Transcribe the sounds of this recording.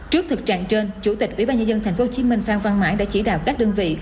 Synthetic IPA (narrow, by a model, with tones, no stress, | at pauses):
t͡ɕɨ˦˥ək̚t̪ʰɨ˨˩k̚t͡ɕa̰ː˧˨ŋt͡ɕe˧nt͡ɕu˧˩t̪i˨˩k̚ʔwi˧˥ɓaː˧nɲə˧nzə˧nt̪ʰa˨˩jŋ̟fo˨˦t͡ɕi˨˦mï˧ŋ̟faː˧nva˧nmaː˧˥jɗa̰ː˧˥t͡ɕi˧˩ɗa̰ː˨˩wka˦˥k̚ɗə˧ənvḭ˧˨